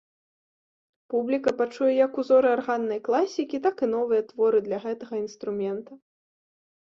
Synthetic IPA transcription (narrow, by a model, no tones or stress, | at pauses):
publʲikɐpat͡ʂujɛjɐkuzɔɾɨarɣanːɐjklˠasʲikʲit̪akɨnɔvɨjɐt̪vɔɾɨd̪lʲɐɣɛt̪ɐɣɐinst̪ɾumʲɛnt̪ɐ